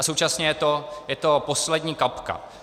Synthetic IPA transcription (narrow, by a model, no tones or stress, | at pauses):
asowt͡ʃasɲɛjɛt̪ojɛt̪o̞po̞slɛdɲiːkapka̰